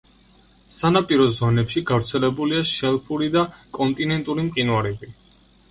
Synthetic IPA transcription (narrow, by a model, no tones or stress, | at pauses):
sanapʼiɾɔzɔnɛpʃiɡavɾt̪sʰɛlɛbuliaʃɛlˠpʰuɾid̪akʼɔnt̪ʼinɛnt̪ʼuɾimqʼinwaɾɛbi